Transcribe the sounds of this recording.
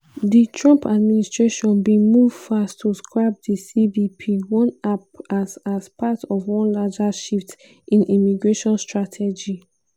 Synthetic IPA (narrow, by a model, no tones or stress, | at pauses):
ditʰɹɔ̃mpad̚ministɹeʃɔ̃nbĩmuv̥fastʰːuskɹab̚disibipʰiwɔ̃napasaspʰatɔvwɔ̃nlad͡ʒaʃift | ʔĩnʔimiɡɹeʃɔ̃nstɹatʰɛd͡ʒi